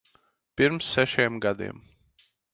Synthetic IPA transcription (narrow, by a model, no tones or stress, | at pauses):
piɾmsːɛʃiɛmɡad̪ḭɛm